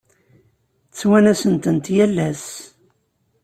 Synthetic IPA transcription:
t͡sːwænæsənt̪ənt̪jælːæs

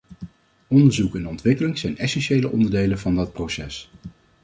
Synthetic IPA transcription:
ɔndəɹzukɛnɔntʋɪkəlɪŋz̥ɛjnɛsɛnʃejləʔɔndəɹdejlənvɑndɑt̚prowsɛs

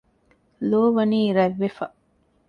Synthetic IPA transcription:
loːʋɐniːɾɐʋːefɐ

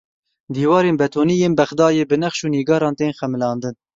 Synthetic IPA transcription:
d̪iːwɑːɾeːnbɛt̪ʰoːniːjeːnbɛxd̪ɑːjeːbɨnɛxʃuːniːɡɑːɾɑːnt̪eːnxɛmɨlɑːnd̪ɨn

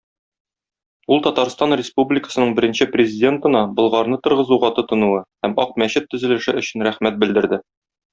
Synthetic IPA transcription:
ulˠt̪ɒt̪ɑɾst̪ɑnrʲɪspublʲɪkə̥sɤ̆nɤɴbɘ̆ɾɘ̆nɕɘprʲɪzʲɪdʲe̞nt̪ɤ̆nɑbɤ̆lˠʁɑɾnɤt̪ɤ̆ɾʁɤ̆zuʁɑt̪ɤ̆t̪ɤ̆nuwɤhæmɒq̚mæɕɘt̪ːɵ̆zɘ̆lɘ̆ʃɘɵ̆ɕɘnɾæχmæt̪̚bɘ̆ld̪ɘ̆ɾd̪ɘ

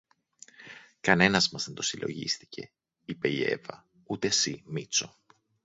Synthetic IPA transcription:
kɐne̞nɐzmɐzðent̪o̞silo̞̰ʝḭst̪i̥cʰe̞ | ipe̞ie̞̰vɐ | ut̪e̞simit͡so̞

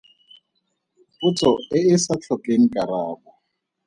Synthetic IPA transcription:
pʊt͡sʰʼɔɪɪsat͡ɬʰɔkʼeŋ̩kʼaɾaːbɔ

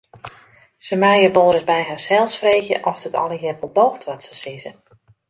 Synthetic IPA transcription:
səmɛjəʋoːɾət̚bɛjɦarsɛlˠsfreːɣjə̰ʔɔfdətʰɔ̰lˠəɦɛrbəlˠdoːxtʋɔtsəsizə

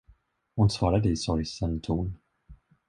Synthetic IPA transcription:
hʊnsv̥ɑːɾad̪əɪsɔɾjsɛnt̪ʰuːn

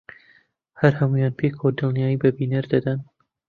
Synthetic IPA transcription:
hɐɾhɐmujɑːnpʰekʰod̪ɨlnijaːjibɐbinɐɾd̪ɐd̪ɐn

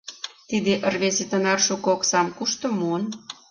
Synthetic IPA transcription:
t̪id̪eʔərβezet̪ənɑrʃukoksɑmkuʃt̪ŏmuən

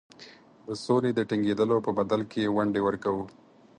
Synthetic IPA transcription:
d̪əsoled̪əʈiŋɡed̪əlopəbad̪alkewaɳɖewəɾkawu

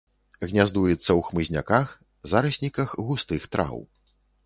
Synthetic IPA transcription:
ɣnʲazd̪ujɛt̪sːɐwxmɨzʲnʲa̰kax | zaɾɐsʲnʲikɐxɣust̪ɨxt̪ɾʔa̰w

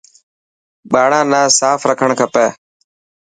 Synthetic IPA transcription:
ɓaːɽãːnãːsaːfɾəkʰəɳkʰəpɛː

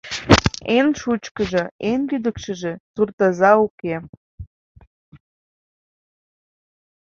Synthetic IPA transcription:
enʃut͡ɕkəʒĕenlyd̪əkʃəʒe̽t̪urt̪əzɑuke

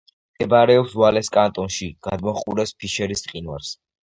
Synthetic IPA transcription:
mʼɛbaɾɛɔpswalɛskʼant̪ʼɔnʃiɡ̥ad̪mɔχʼuɾɛspʰiʃɛɾist̪ʼqʼinwa̰ɾs

